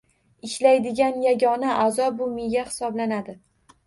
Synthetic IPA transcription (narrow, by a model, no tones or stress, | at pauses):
ɪʃlajd̪ɪɡʲanjaɡʲɒnaʔazɒbʊmɪjahɪ̥sɒblanad̪ɪ